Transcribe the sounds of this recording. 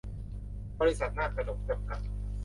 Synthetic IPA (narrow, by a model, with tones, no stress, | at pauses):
bɔː˧ɾi˦˥sa˨˩t̪̚naː˧˩k̚ʰa˧no˨˩p̚t͡ɕa˧˩mka˨˩t̪̚